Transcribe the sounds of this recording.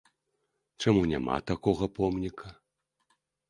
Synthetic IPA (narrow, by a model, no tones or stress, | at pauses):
t͡ʂamunʲa̰ma̰t̪akɔɣɐpɔmnʲikʰɐ